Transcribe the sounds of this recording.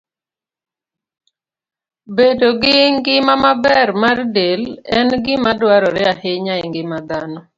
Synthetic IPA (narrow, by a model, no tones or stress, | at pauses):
bedoɡɪŋɡɪmamabɛrmardelɛnɡɪmadwaɾɔɾɛahɪɲaɪŋɡɪmad̪anɔ